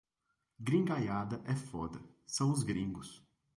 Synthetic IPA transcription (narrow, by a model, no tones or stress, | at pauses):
ɡɾĩŋɡajad̪ɐʔɛfɔd̪ɐ | sɐ̃w̃ʊzɡɾĩŋɡʊs